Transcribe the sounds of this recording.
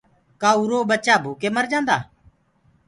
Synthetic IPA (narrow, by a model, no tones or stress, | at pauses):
kaːuːɾoːɓət͡ʃaːbʱuːkeːməɾd͡ʒãːnd̪aː